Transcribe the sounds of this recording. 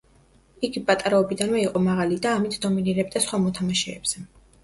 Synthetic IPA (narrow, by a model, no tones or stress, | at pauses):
iɡipʼat̪ʼaɾaɔbid̪anvɛiqʼɔmaʁalid̪aːmit̪ʰd̪ɔminiɾɛb̚d̪asχwamɔt̪ʰamaʃɛːbz̥ɛ